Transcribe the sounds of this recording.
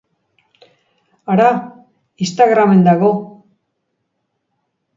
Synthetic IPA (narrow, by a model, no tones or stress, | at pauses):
aɾa | ist̪aɣɾame̞nd̪aɣo̞